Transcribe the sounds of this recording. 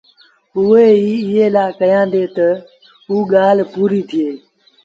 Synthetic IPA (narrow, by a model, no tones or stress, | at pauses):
ʊeːiːɪɦeːlaːkəjãːnd̪eːt̪ə | ɦuːɠaːl̤puːɾiːt̪ʰɪeː